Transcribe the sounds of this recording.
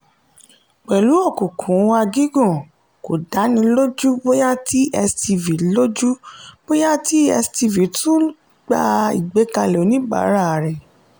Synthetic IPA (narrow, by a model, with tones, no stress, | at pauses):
k͡pɛ˨lu˨˦ɔ˦˨kũ˨kʰũ˨˦wa˧ɡi˦ɡũ˦˨ | ko˨da˨˦nĩ˧lo˦d͡ʒu˦bo˦ja˦ti˦ʔɛ˧sti˧vi˨˦lo˦d͡ʒu˦b̥o˦ja˦ti˦ɛ̰˧sti˧vi˨˦tũ˦ | ɡ͡ba˧ḭ˨ɡ͡be˨˦ka˧lɛ˨o˨˦nĩ˨˦ɡ͡ba̰˨˦ɾa˦˨ɾɛ˨